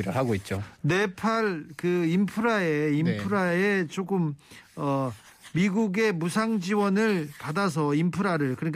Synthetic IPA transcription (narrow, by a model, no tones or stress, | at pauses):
ɾɯɭɦaɡoit̚t͡ɕ͈one̞pʰaɭkɯimpʰɯɾaeimpʰɯɾaet͡ɕok͈ɯmʌ | miɡuɡe̞musʰaŋd͡ʑiwʌnɯɭpadasʰʌimpʰɯɾaɾɯɭkɯɾɲik